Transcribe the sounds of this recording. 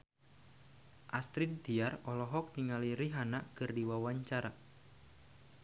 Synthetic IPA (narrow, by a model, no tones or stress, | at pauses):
ʔast̪ɾint̪iarɔlɔɦɔk̚niŋaliɾiɦanakɨrdiwawaɲt͡ʃaɾa